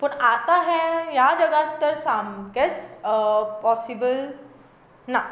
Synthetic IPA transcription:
pəɳat̪aɦɛjad͡ʑəɡat̪ːəɾsamket͡s | pɔsibəl | na

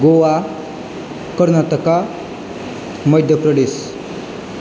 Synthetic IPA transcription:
ɡoʋa | kəɾnat̪əka | məjd̪ʱjəpɾəd̪es

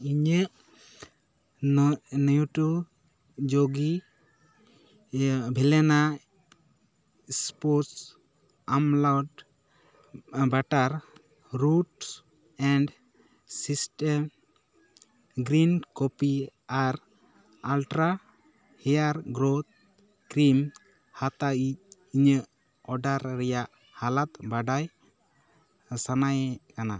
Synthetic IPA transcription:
iɲeʔ | njuʈu | d͡ʒoɡi | bʱɛlɛna | spɔɾs | amlɔɖ | baʈaɾ | ɾuʈs | ɛɳɖ | sisʈɛm | ɡɾinkɔpiaɾ | alʈɾa | hɛjaɾɡɾot̪̚ | kɾim | hat̪aic̚ | iɲə | ɔɖaɾːɛjaʔ | halat̪̚baɖaj | sanajɛkana

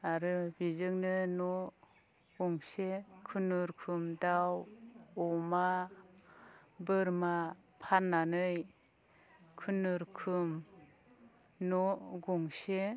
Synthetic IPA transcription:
aɾɯbizɯŋnɯnɔ | ɡɔŋsekʰɯnuɾkʰɯmdawɔma | bɯɾmapʰanːanɯj | kʰɯnɯɾkʰɯm | nɔɡɔŋse

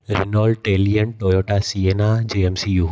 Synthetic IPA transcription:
ɾɪnoːlʈeːlijəɳʈoːjoːʈasienad͡ʑeːemsijuː

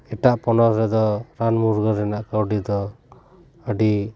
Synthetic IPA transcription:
ɛʈaʔpɔnɔsɾɛd̪ɔɾanmuɾɡəɾɛnaʔkawɖid̪ɔː | ɖi

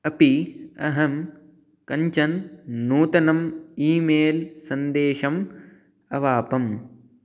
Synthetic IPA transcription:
ɐpiɐ̰ɦɐm | kɐɲt͡ʃɐnnuːt̪ɐnɐmiːmeːlsɐnd̪eːʃɐm | ɐʋaːpɐm

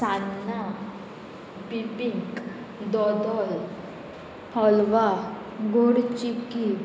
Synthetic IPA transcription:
sanna | bibik | d̪ɔd̪ɔl | hɔlʋa | ɡoɽt͡ʃipki

